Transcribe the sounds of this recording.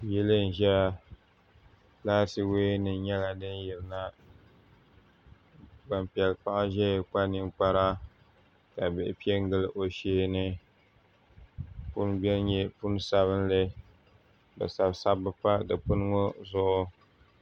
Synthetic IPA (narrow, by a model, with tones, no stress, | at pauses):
jɛ˦lɨ˦n̩˨ʒɛ˦ | laː˦tɨ˦weː˦nɨ˨nɲɛ˦la˨dɨ˦n˦jɛ˨lna˦ | ba˨mpi˨ɛ˨lk͡pa˦ʔa˦ʒɛ˦˨k͡pa˦nɨ˦ŋk͡pa˦ɾa˦ | ka˨bɪ˨ʔɪ˨pi˦e˦ŋ˦ɡɨ˦lʔo˨ʃeː˦nɨ˦ | pʊ˦nbi˦ɛ˦lɲɛ˦pʊ˦n˦sa˦βɨ˦n˦lɨ˦ | bɨ̰˨sa˨bsa˦bɨ˦pa˦dɨ˨pʊ˦n˦ŋo˦zʊ˦ʔʊ˦